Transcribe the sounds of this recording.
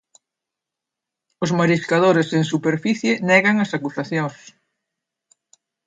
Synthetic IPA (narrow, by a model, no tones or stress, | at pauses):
ʊzmaɾiskaðoɾeseŋsupeɾfiθjenɛɣɐŋɐsakusaθjoŋs